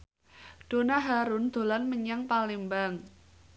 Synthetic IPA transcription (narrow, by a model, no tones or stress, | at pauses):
ɖ̥o̤naɦaɾʊnd̪̥o̤lanməɲaŋpalimbaŋ